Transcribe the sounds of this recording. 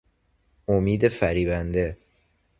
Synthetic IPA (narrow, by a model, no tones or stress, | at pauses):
omiːd̪e̞fæɾiːbænd̪e̞